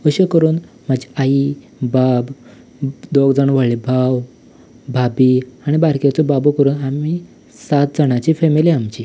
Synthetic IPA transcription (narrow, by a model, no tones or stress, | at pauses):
əɕekəɾuːn | mad͡ʑi̥ai | bab | d̪oɡd͡zaɳʋaɭebʱaw | bʱabiaɽ̃ibaɾkjat͡sɔbabukəɾuːnami | sat̪̚d͡zəɽ̃at͡ɕifemiliamt͡ɕi